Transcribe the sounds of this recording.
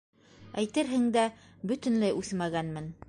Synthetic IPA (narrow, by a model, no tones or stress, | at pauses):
æjt̪ɘɾɦɘ̆ŋd̪æ | bɵ̆t̪ɘ̆nlæjʉθmæɡænmɘn